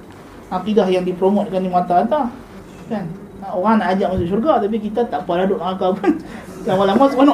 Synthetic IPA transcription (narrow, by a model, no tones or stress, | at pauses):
akidahjaŋdipɾomɔt̪̚kandimat̪at̪a | kan | aoɾaŋnaːd͡ʒaʔmasʊʔʃ̬urɡat̪ap̬ikit̪at̪aʔpaladʊʔkaŋakapʊn | lamalamat̪ukan